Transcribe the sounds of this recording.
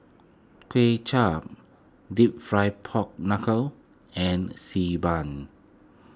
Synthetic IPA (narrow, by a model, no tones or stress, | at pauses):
kʰwet͡ʃʰap̚ | dip̚fɹajpʰɔk̚nakʰəl | ɛ̃nsibãn